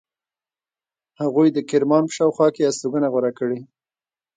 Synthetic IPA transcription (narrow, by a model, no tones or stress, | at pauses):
haɣujd̪əkɪɾmɑnpə̥ʃɑwxwɑkeast̪uɡənaɣwaɾakəɽe